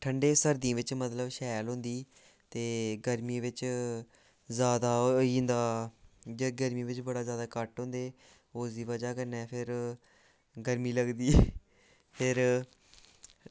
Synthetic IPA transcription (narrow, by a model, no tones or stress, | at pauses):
ʈʰəɳɖeːsəɾd̪ĩːʋɪt͡ʃmət̪ləbʃɛːlɦõːnd̪iː | t̪eːɡəɾmĩːʋɪt͡ʃ | zjaːd̪aːĩːnd̪aːd͡ʒaɡəɾmĩːʋɪt͡ʃbəɽaːzjaːd̪aːkəʈɦõːnd̪eː | oːsd̪iːʋəd͡ʒaːkəɾnɛːpʰɪɾ | ɡəɾmiːləɡd̪iː | pʰɪɾ